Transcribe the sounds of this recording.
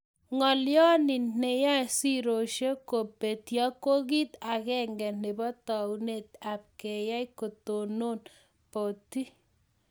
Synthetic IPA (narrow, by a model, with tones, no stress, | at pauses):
ŋɔ˨ljɔ˦ni˨nne˨ja˦si˦ɾo˨ʃe˦ko˨pe˨t̪ja˦ko˦ki˦t̪a˨kɛ˦ŋɡɛ˨ne˨bɔ˦t̪ɔ˨une˨t̪a˨p̚ke˨ja˦jko˨to˨no˦n | po˨ti˦